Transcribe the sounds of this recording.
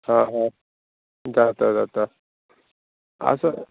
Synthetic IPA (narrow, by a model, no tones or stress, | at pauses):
ɦãɦã | d͡zat̪adat̪a | ə̰sa